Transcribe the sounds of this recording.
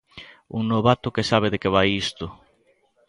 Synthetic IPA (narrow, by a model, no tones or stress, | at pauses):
ṵŋnoβat̪ʊkesaβ̞eðekeβajist̪ʊ